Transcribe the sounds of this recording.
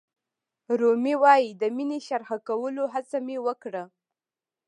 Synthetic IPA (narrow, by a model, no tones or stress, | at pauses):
ɾomiwɑjid̪əmineʃaɾxakawəloɦat͡samewəkɽə